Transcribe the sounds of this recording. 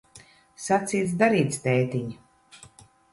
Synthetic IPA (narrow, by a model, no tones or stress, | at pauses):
sat̪siːt̪sd̪aɾiːt̪st̪ɛːt̪iɲ